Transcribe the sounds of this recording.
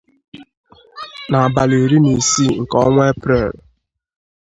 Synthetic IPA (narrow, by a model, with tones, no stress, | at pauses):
na˨a˨ba˨le˨ɾi˦ni˨si˦ŋ̩˨kɔ˦ŋʷ˦e˦pɾe˦˨l